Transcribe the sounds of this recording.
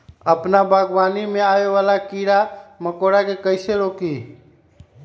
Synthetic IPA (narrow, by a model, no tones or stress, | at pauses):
əpnabʱəɡʋanimeaeʋalakiɾaməkoɽakekəɪseɾoki